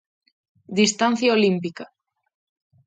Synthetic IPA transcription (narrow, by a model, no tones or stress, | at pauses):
d̪ist̪an̟θjaolimpika